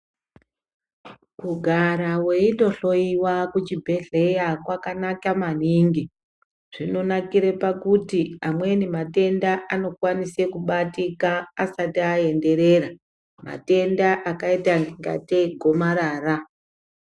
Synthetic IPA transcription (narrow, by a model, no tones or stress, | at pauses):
kuɡʱaɾawe̞indo̞ɬo̞iwakut͡ʃibʱe̞ɮe̞jakwakanakaman̤iŋɡi | ʐ̥ino̞nakiɾepakutiamwe̞nimate̞ndaʔano̞kwanise̞kuɓatikaːsatiae̞nde̞ɾe̞ra | ma̰te̞ndaʔakaitaŋɡiŋɡa̰teɡʱo̞maɾaːra